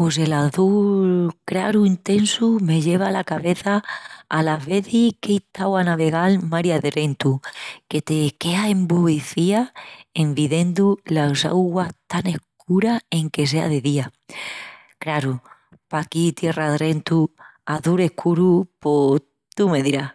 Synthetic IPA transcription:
pos̬e̞laθulkɾaɾuint̪e̞nsume̞ʎe̞β̞alakaβe̞θaːlaβe̞θikeit̪awanaβe̞ɣ̞almaɾjaðɾe̞nt̪uke̞t̪e̞ke̞ae̞mbuiθiae̞mbiðe̞nd̪ulasa̰wɣwat̪ane̞hk | uɾae̞ŋke̞s̬e̞a̰ðe̞ðia | kɾaɾu | pakit̪je̞raðɾe̞nt̪uaθuɾe̞hkʰuɾupo | t̪ume̞ðiɾah

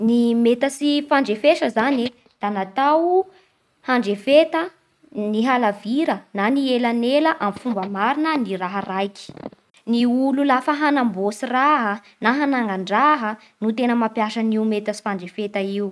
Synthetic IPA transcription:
nimet̪əsifaɳɖ͡ʐefeʃəzani | d̪̥anat̪aw | haɳɖ͡ʐefet̪ə | niɦalaviɾənanielaneləʔamfumbəmaɾinəniraɦərajkʲi̥ | niululafəɦanambosiraɦə | naɦanaŋaɳɖ͡ʐaɦə | nut̪enəmapjaʃaniumet̪əsi̥faɳɖ͡ʐefet̪aiu

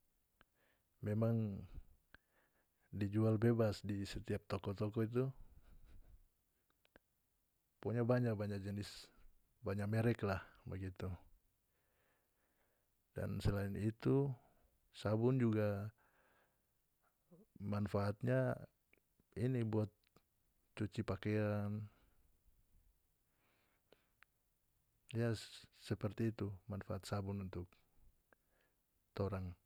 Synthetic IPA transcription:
mɛmaŋ | did͡ʒualbebasdisɛt̪iap̚t̪ɔkɔt̪ɔkɔit̪̬u | pɔɲabaɲak̚baɲak̚d͡ʒənɪs | baɲak̚mɛɾɛklahbəɡit̪u | da̰nsəlainit̪u | sabʊnd͡ʒuɡa | manfaːt̪̚ɲa | inibuat̪̚ | t͡ʃut͡ʃipakɛan | jasəpərt̪iːt̪umanfaat̪̚sabʊnunt̪ʊk̚ | t̪oɾaŋ

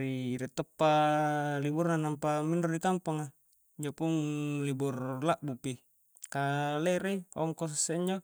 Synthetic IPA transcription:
ɾiːɾɛt̪ɔpːaliburnanampamindɔrdikampaŋa | iɲd͡ʒopuŋliburlaʔbupi | kaleɾeɔŋkos̬asːeiɲd͡ʒo

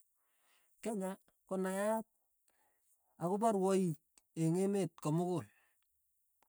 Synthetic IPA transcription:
kɛɲa | kɔnajaat̚ | akʊbaɾwɔi | eŋemet̚kɔmʊkʊl

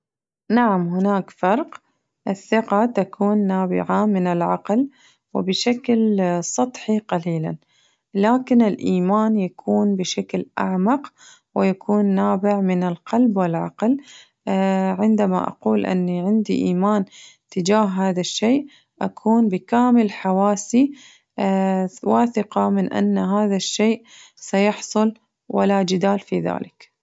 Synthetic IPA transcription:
naʕamɦɪnaːkfɑɾˤq | ʔɪθːɪqat̪akʰuːnːaːbɪ̰ʕamɪnɪlʕɑql | wɪ̰bɪʃaklsˤɑt̪ˤħiqɑliːla̰n | laːkɪnɪlʔiːmaːnjakʰuːnbɪʃaklʔa̰ʕmɑq | wɪjakʰuːnːaːbɪʕmɪnɪlqɑlbwɪlʕɑ̰ql | ʕɪnd̪ama̰ʔa̰quːlʔɪ̰nːiʕɪnd̪ḭʔiːmaːnt̪ɪd͡ʒaːɦɦaːðaʃːeːʔ | ʔakʰuːnbɪkaːmɪlħawaːsi | waːθɪqɑmɪnʔa̰nːaɦaːðaʃːeːʔ | sajʊħsˤʊl | wɪ̰lad͡ʒɪd̪aːlfiða̰ːlɪk

